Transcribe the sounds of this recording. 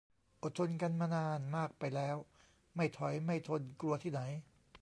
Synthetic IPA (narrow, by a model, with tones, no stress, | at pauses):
ʔo˨˩t̪ʰːo˧nka˧nmaː˧naː˧nmaː˥˩k̚pa˧jlɛː˦˥w | ma˥˩jt̪ʰɔ˨˦jma˥˩jt̪ʰo˧nklu˧ɐt̪ʰiː˥˩na˩˦j